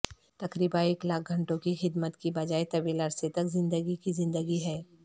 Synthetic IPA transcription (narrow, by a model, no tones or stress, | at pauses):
t̪ɐkɾiːbãeːklaːk̚ʰɡʱɐ̃ɳʈõkixɪd̪mət̪kibɐd͡ʒaːet̪ɐʋiːlɐɾset̪ɐkzɪ̃nd̪əɡikizɪ̃nd̪əɡiɦɛː